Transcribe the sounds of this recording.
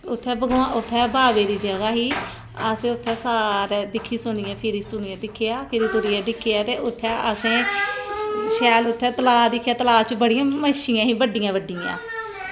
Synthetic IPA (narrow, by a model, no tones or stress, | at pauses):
ʊt̪ʰːɛːbəɡʊãːʊt̪ʰːɛːbaːʋeːd̪iːd͡ʒəɡaːɦiː | əsẽːʊt̪ʰːɛːsaːɾɛːd̪ɪkʰːiːsʊniːɛːpʰɪɾiːsʊniːɛ̃ːd̪ɪkʰːejaːpʰɪɾiːt̪ʊɾiːɛːd̪ɪkʰːeaːt̪eːʔʊt̪ʰːɛːʔəsẽː | ʃɛːlʊt̪ʰːɛːt̪əlaːd̪ɪkʰːjaːt̪əlaːt͡ʃbəɽijãːməʃɪjãːɦiːbəɖːijãːʋəɖːiːã̰ː